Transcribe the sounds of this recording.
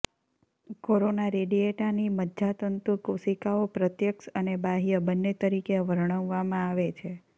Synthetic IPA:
koɾonaɾeɖieʈaniməd̪d͡ʒat̪ənt̪ukusikaopɾət̪jəkʃənebaɦijəbənːet̪əɾikeʋəɾɳ̃əʋːamãaʋet͡ʃʰe

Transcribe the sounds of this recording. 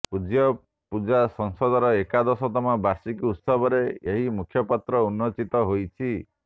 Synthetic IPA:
pud͡ʒjɔ | pud͡ʒasɔŋsɔd̪ɔɾɔekad̪ɔsɔt̪ɔmabasikut̪sɔbɔɾeeɦimukʰjɔpat̪ɾɔunːɔt͡ʃit̪ɔɦojt͡ʃʰi

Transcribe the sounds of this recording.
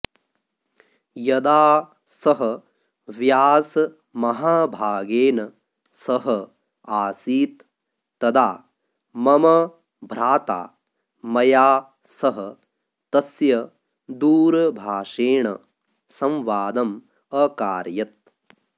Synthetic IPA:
jɐd̪aː | sɐɦɐ | ʋjaːsɐ | mɐɦaːbʱaːɡeːnɐ | sɐɦɐ | aːsiːt̪ː | ɐd̪aː | mɐmɐ | bʱɾaːt̪a̰ː | mɐjaː | sɐɦɐ | t̪ɐsjɐ | d̪uːɾɐbʱaːʂeːɳɐ̰ | sɐ̃mʋaːd̪ɐm | ɐkaːɾjɐt̪̚

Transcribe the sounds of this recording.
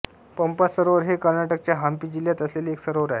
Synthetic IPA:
pəmpasəɾoʋəɾɦekəɾnaʈək̚t͡ɕjaɦampiːd͡ʑiljat̪əslelieksəɾoʋəɾae

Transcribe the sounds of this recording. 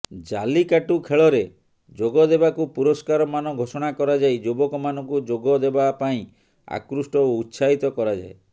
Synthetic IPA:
d͡ʒalikaʈukʰeɭɔɾe | d͡ʒoɡɔd̪ebakupuɾɔskaɾɔmanɔɡʱosɔɽ̃akɔɾad͡ʒajd͡ʒobɔkɔmanɔ̃ŋkud͡ʒoɡɔd̪ebapaĩ | a̰kɾusʈɔoutːsaɦit̪ɔkɔɾad͡ʒa̰e

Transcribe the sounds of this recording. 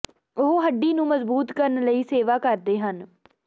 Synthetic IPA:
ʊɦɦəɖiːnũːməzbuːt̪kəɾənləiːseːʋaːkəɾd̪eːɦən

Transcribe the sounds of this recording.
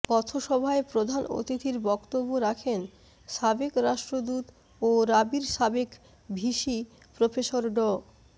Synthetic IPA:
kɔt̪ʰoʃɔbʱaepɾod̪ʱano̰t̪it̪iɾbɔkt̪obːoɾakʰen | ʃabekɾaʃʈɾod̪ut̪ | oɾabiɾʃabek | bʱiʃi | pɾofeʃoɾɖɔ

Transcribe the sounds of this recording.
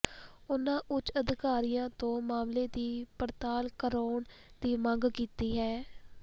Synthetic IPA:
ʊnãːʔʊt͡ʃəd̪ɪkaːɾiːjãːt̪õːmaːmleːd̪iːpəɾt̪aːlkəɾoːɳ | d̪iːmə̃ŋɡkiːt̪iːɦɛː

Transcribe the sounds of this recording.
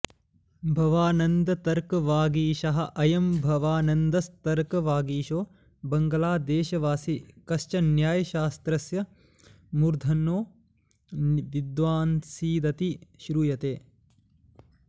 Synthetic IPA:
bʱɐʋaːnɐnd̪ɐt̪ɐɾkɐʋaːɡiːʃɐɦɐ̆ʔɐjɐmbʱɐʋaːnɐnd̪ɐst̪ɐɾkɐʋaːɡiːʃoː | bɐŋɡɐlaːd̪eːʃɐʋaːsikɐʃt͡ʃɐnjaːjɐʃaːst̪ɾɐsjɐ | muɾd̪ʱɐnːoː | ʋid̪ʋaːnsiːd̪ɐt̪iʃɾuːjɐt̪eː

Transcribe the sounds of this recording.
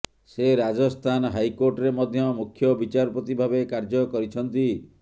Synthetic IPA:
seɾad͡ʒɔst̪ʰanɔɦajkoɾʈɔɾemɔd̪ʱjɔmukʰjɔbit͡ʃaɾɔpɔt̪ibʱabekaɾd͡ʒɔkɔɾit͡ʃʰɔnt̪i

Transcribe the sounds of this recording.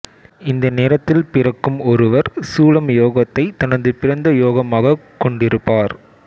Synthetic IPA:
ɪnd̪ɐneːɾɐt̪ːɪlpɪrɐkːɯmɔɾɯʋɐɾsuːlɐmjoːɣɐt̪ːɐɪt̪ɐnɐðɯpɪɾɐnd̪ɐjoːɣɐmaːɣɐkɔɳɖɪɾɯpːaːɾ

